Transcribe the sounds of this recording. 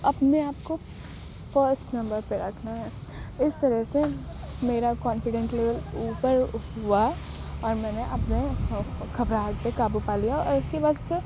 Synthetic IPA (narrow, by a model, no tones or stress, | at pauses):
ɐpneaːpko | fəɾsʈnɐ̃mbəɾpeɾɐkʰnaɦɛːɪst̪ɐɾɛɦsemeːɾakɔːnfɪɖə̃ɳʈleːʋəluːpəɾɦua | ɔːɾmɛ̃ːneʔɐpnekɐbɾaːkpekaːbupaːlijaɔ̰ːɾʊskebaːd̪se